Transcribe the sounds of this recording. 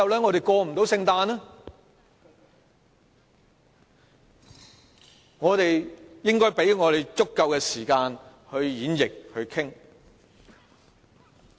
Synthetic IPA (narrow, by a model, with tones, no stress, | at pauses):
ɐ˨wlɛː˨˥ŋɔː˨˧ɾe˨jkɔː˧m̩˨˩t̪o˨˥wsɪ˧ŋt̪aː˧na˥ | ŋɔː˨˧t̪e˨jjɪ˥ŋkɔː˥jpe˨˥jŋɔː˨˧ɾe˨˩jt͡sʊ˥kːɐ˧wkɛː˧siː˨˩kaː˧nhɵ˧ɥjiː˨˥njɪ˨k̚hɵ˧ɥkʰɪ˥ŋ